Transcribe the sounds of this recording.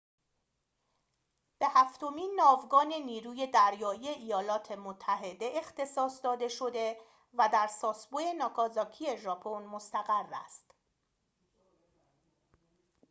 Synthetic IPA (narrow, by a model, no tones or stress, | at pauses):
b̥e̞hæft̪o̞miːnːɒːvɡɒːne̞niːɾuːje̞d̪æɾjɒːije̞ʔijɒːlɒːt̪ʰe̞mot̪ʰːæɦe̞d̪e̞ʔext̪e̞sɒːsd̪ɒːd̪e̞ʃo̞d̪e̞ | væd̪æɾsɒːsboje̞nɒːkʰɒːzɒːcʰie̞ʒɒːpʰo̞nmost̪æɣærːæ̰st̪